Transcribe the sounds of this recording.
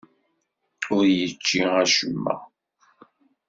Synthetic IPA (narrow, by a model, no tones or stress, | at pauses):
ʊɾjət͡ʃːiæʃəmːə̰